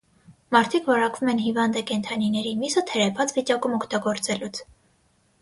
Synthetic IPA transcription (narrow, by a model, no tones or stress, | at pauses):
mɑɾt̪ʰikʰvɑɾɑkvumɛnɦivɑnd̪ɛkɛnt̪ʰɑninɛɾimisət̪ʰɛɾɛpʰɑt͡svit͡ʃɑkumɔkʰt̪ɑɡɔɾt͡sɛlut͡sʰ